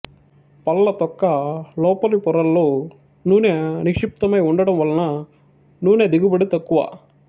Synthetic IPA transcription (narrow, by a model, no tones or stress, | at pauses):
pɐlːɐt̪ɔkːɐlɔːpɐlipɔɾɐlːoː | nuːneːnikʂip̚t̪ɐmɐjuɳɖɐɽɐmʋɐlːɐnɐ | nuːne̞ːd̪iɡubɐɽit̪ɐkːuʋa̰ː